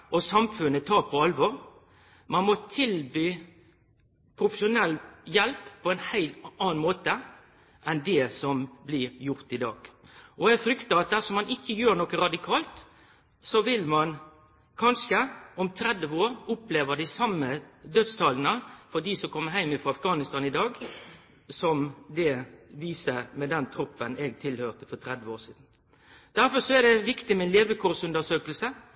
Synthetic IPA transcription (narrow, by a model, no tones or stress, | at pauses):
ʔɔsɑmfʉnːət̪ʰɑːɾpʰɔɑlʋɔɾ | mɑnmɔt̪ʰɪlbyː | pʰɾʊfəʂʊnɛlːjɛlppʰɔɛːnhæɪlt̪ɑːnmoːt̪ə | ʔɛnd̪ɛsɔmblɪɾjʊʁt̪ɪd̪ɑ̰ːɡ̥ʔɔæfɾʏkt̪əɑt̪̚d̪æsɔmɑnɪçːəjøːɾnɔkəɾɑd̪ɪkʰɑːlt̪ | sɔʋɪlmɑn | kʰɑnʂəɔmt̪ʰɾɛd̪əʋəoːɾʊpleːʋəʁd̪ɪsɑmːəd̪œt̪st̪ʰɑːlnəfɔd̪iːsɔmkʰɔmːəɦæɪmɪfɾɑɑfɡɑːnɪst̪ɑːnɪd̪ɑːɡ | sɔmd̪ɛʋiːsəmɛd̪ɛnt̪ʰɾɔpːənɛɡt̪ʰɪlhøːʁt̪əfɔt̪ʰɾɛd̪ʋəoːɾsiːd̪n̩ | d̪̥æɾfɔɾʂɔɛd̪ɛʋɪkt̪ɪmɛɛnleːʋəkʰʊɾsʉnd̪əʂøːkəlsə